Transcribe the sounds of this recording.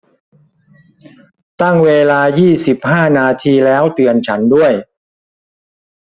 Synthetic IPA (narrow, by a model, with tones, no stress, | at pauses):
t̪a˥˩ŋweː˧laː˧jiː˥˩si˨˩p̚haː˥˩naː˧t̪ʰiː˧lɛː˦˥wt̪ɯ˧ənt͡ɕʰa˦˥ndu˥˩əj